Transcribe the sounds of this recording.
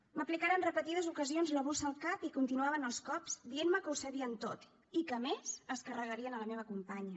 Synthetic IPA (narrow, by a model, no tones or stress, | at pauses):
məplikaɾənrəpət̪ið̞əzukəzionzləβusəlˠkapikunt̪inuaβənəlˠskɔpzd̪ienməkəusəβiənt̪ot̪ | ikəmezəskərəɣəɾiənələmeβ̞əkumpaɲə